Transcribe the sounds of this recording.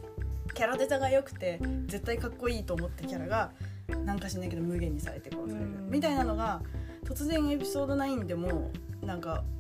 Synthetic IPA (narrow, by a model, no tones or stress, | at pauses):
kʲaɾad̪e̞t̪aɡajo̞kɯ̟̥t̪e̞d͡ze̞t̪ːaikakːo̞iːt̪o̞ːmo̞t̪ːakʲaɾaɡanãŋkaɕinaik̬e̞d̪o̞mɯ̟ɡẽ̞ɲ̟ːisa̰ɾe̞t̪e̞komʲit̪ainano̞ɡat̪o̞t͡sɨzẽ̞ɰ̃e̞pʲi̥so̞ːd̪o̞naĩnd̪e̞mo̞nãŋka